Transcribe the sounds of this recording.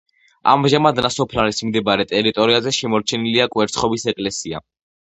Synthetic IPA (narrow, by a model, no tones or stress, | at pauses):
a̰mʒamad̪nasɔpʰlaɾismd̪ɛbaɾɛt̪ʼɛɾit̪ʼɔɾiazɛʃɛmɔɾt͡ʃʰɛniliakʼwɛɾt̪sʰχɔbisɛkʼlɛsia̰